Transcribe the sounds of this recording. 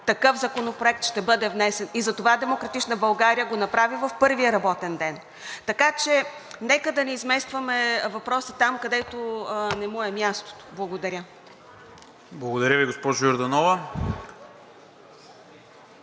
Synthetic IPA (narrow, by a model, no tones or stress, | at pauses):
t̪ɐkɤfzɐkonopɾoɛk̚t̪ʃt̪ɛbɤd̪ɛvnɛsɛnizɐt̪ovad̪ɛmokɾɐt̪it͡ʃnəbɐlˠɡaɾijəɡonɐpɾavivɐfpɤɾviəɾɐbɔt̪ɛnd̪ɛn | t̪ɐkat͡ʃɛ | nɛkəd̪ɐnɛizmɛst̪vɐmɛvɐpɾɔsit̪amkɐd̪ɛt̪onɛmuɛmʲjast̪o̥t̪o̥blˠɐɡod̪ɐɾʲə | blˠɐɡod̪ɐɾʲjəviɡospɔʒojʊɾd̪ɐnɔvə